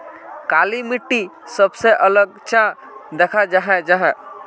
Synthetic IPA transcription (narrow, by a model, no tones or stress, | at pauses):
kalimiʈːisəbseʔələɡ̚t͡ʃã | d̪ekʰad͡ʒaɦɛ̃d͡ʒaɦɛ̃